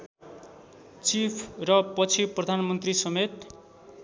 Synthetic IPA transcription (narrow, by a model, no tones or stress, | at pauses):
t͡sipʰrʌpʌt͡sʰiprʌd̪ʱanmʌnt̪risʌmet̪